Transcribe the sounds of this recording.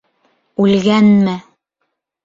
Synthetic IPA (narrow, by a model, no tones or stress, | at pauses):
ʉlɡænmɘ